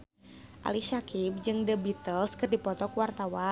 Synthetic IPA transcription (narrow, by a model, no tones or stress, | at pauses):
ʔa̰liʃakip̚d͡ʒɨŋdəbit̪əlskɨrdipɔt̪ɔkuwart̪awa